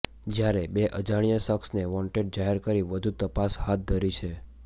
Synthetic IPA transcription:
d͡ʒjaɾebeʔəd͡ʒaɽ̃ijəsəksneʋɔ̃ɳʈeɖ̚d͡ʒaɦɛɾkəɾiʋəd̪ʱut̪əpashat̪̚d̪ʱəɾit͡ʃʰe

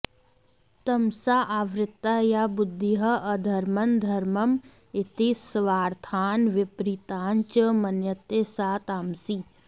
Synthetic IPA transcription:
t̪ɐmsaːʔaːʋɾɪt̪ːaːjabʊd̪ʱːiɦɐʔɐd̪ʱɐɾmɐnd̪ʱɐɾmɐm | ɪt̪isʋaːɾt̪ʰaːnʋɪpɾit̪aːnt͡ʃəmɐnjət̪eːsaːt̪aːmsi

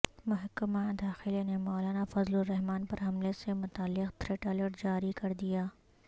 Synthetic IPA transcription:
mʊɦəkːəmad̪aːxɪlenemɔːlaːnafɐzloɾːɐɦmaːnpɐɾɦɐmlesemʊt̪aːlːɪqt̪ʰɾeːʈaːləʈd͡ʒaːɾikɐɾd̪ijaː

